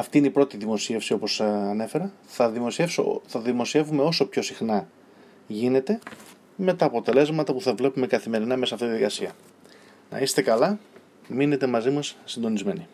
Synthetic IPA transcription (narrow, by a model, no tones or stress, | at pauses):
ɐft̪iineipɾo̞t̪iðimo̞sie̞fsio̞po̞sɐnefe̞ɾɐθɐðiosefso̰θɐðimo̞sie̞vume̞o̞so̞pço̞sixnɐ | ʝine̞t̪e̞ | me̞t̪ɐːpo̞t̪e̞le̞zmɐt̪ɐpuθɐvle̞pume̞kɐθime̞ɾinɐmesɐft̪it̪jɐðikɐsiɐ | nɐ̰ist̪e̞kɐlɐ | mine̞t̪e̞mɐzimɐsːind̪o̞nizme̞ni